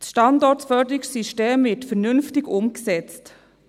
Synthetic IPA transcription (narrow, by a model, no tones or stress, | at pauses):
sʃtɑndɔtfœdəɾɪksiʃteːmvɪtfɛɾnʏnftɪɡʊmksɛt͡st